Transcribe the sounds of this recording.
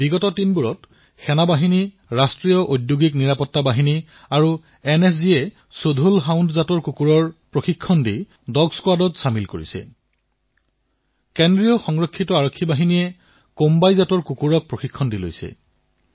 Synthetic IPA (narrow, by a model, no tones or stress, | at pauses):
biɡɔtɔtinbuɹɔt | xɛnabaɦini | ɹastɹijɔʔojdjuɡikniɹapɔtːabaɦini | aɹu | ɛnɛs̬iɛ | sodʱulɦawndzatɔɹkukuɹɔɹpɹoxikʰːɔndi | dɔɡskwadɔtsamilko̰ɹḭsɛ̰ | kɛndɹijɔxɔŋɹɔkʰːitɔaɹokʰːibaɦinijɛ | kombajzatɔɹkukuɹɔk̚pɹoxikʰːɔndilo̰jsɛ̰